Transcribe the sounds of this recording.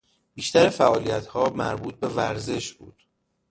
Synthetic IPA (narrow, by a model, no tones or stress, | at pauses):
b̥iːʃt̪æɾefæʔɒːlijæt̪ʰhɒːmæ̰ɾbuːt̪̚be̞væ̰ɾze̞ʃbṵːd̪̥